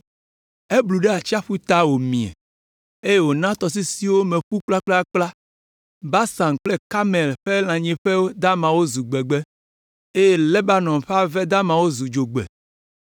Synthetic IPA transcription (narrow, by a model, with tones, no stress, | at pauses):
e˦blu˨ɖe˦a˨t͡ʃi˦a˦ɸu˦t̪a˦wo˨mĩ˨ɛ̰˨ | e˦je˦˨wo˨nã˦t̪ɔ˨s̬i˦si˦wo˦mẽ˨ɸu˦k͡pla˦k͡pla˦k͡pla˦ | ba˦sã˨ŋ˨k͡plɛ˦ka˦me˨lɸe˦l̃ã˨ɲẽ˨ɸe˦wo˦d̪a˦mã˨wo˦zu˨ɡ͡bɛ˨ɡ͡bɛ˦ | e˦je˦lɛ˦ba˦nɔ̃˨mɸe˦a˦vɛ˦d̪a˦mã˨wo˦zu˨d͡ʒo˨ɡ͡bɛ̰˨